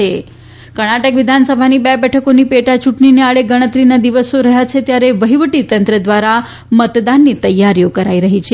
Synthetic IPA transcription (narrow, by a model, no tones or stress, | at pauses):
e | kəɽ̃aʈəkʋɪd̪ʱansəbʱanibɛbɛʈʰəkonipeʈat͡ʃuʈɳineaɭeɡəɽ̃ət̪ɾinad̪iʋəsoɾəɦjat͡ʃʰet̪jaɾeʋəɦiʋəʈit̪ənt̪ɾəd̪ʋaɾa | mət̪d̪anːit̪əjːaɾjokəɾaiɾəɦit͡ʃʰe